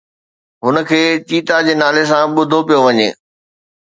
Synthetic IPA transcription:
ɦʊnə̆kʰeːt͡ɕiːt̪ad͡ʑeːnaːles̬ãɓʊd̪ʱopijoʋɐɲḛː

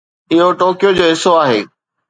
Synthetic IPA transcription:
ɪɦoʈoːkijod͡ʑoːɦɪsoaːɦeː

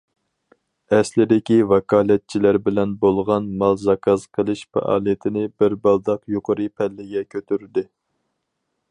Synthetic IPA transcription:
ɛslɪd̪ɪkʲivɑkʰɑːlɛt̪̚t͡ʃʰilæɾbɪlɛnbolˠʁɑnmɑlˠzɑkʰɑzqʰəlˠɨʃfɑ̰ʔɑ̰ːlˠijɪt̪ʰɪnɪbɪɾbɑlˠd̪ɑqjoqʰəɾɨpʰɛlːɪɡʲɛkʲʰøt̪ʰyɾd̪ɪ

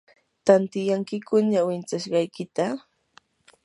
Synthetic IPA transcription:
t̪ant̪ɪjaŋkɪkʊɲawɪnt͡saʃɢɑjkɪt̪a

